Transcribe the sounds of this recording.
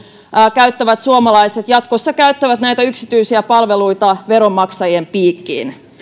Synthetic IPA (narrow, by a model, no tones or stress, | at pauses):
kæyt̪ːæʋæt̪suomɑlɑiset̪jɑt̪ko̞sːɑkæyt̪ːæʋæt̪næjt̪æyksit̪yjsiæpɑlʋe̞lujt̪ɑʋe̞ɾo̞mːɑksɑjiempiːkːḭːn